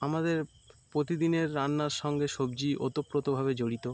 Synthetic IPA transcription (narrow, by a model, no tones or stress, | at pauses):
amad̪eɾ | pɾot̪id̪ineɾːanːaɾʃɔŋɡeʃobd͡ʑiʔo̰t̪opːɾot̪obʱaβed͡ʑoɽit̪o